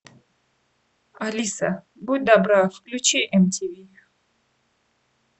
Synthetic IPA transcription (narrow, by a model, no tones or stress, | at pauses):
alʲisɐ̰ | but̚ʲd̪abɾafklʲut͡ʃiʔɛmtʲivʲi